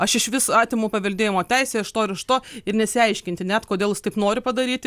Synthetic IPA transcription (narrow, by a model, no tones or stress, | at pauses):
ɐʃɪʃʋʲɪsɑːt̪ʲɪmuːpɐʋʲɛlʲd̪ʲeːjɪmoːt̪ʲɛɪsʲeːɪʃt̪oːɪɾɪʃt̪oːɪrnʲɛsʲɪɐɪʃʲkʲɪnʲt̪ʲɪnʲæt̪koːd̪ʲeːlˠɪst̪ɐɪpnoːɾʲɪpɐd̪ɐɾʲiːt̪ʲ